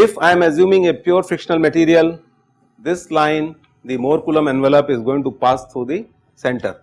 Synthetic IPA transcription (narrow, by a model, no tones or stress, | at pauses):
ɪfãɪ̃mezjũːmɪ̃ŋepjuːɾfɪkʃənəlməʈiːɾiəl | d̪ɪslãɪ̃n | d̪imoːɾkjulə̃mɛ̃nʋɛləpɪzɡoːɪ̃ŋʈupaːst̪ʰɾuːd̪i | sɛ̃ɳʈəɾ